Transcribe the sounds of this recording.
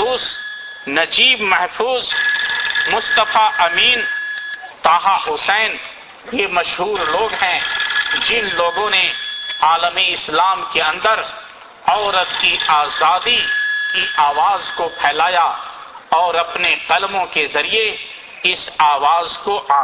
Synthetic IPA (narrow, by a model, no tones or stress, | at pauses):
uːs | nɐd͡ʒiːbmɛɦfuːz | mʊst̪əfaʔɐmiːn | t̪aːɦaɦʊsɛːn | jemɐʃɦuːɾloːɡɦɛ̃d͡ʒɪnloːɡõneaːləmiɪslaːmkeɐ̃nd̪əɾ | ɔːɾət̪kiʔaːzaːd̪ikiʔaːʋaːzkopʰɛːlaːjaɔːɾɐpneqɐlmõkezɐɾie | ɪsaːʋaːzkoʔaː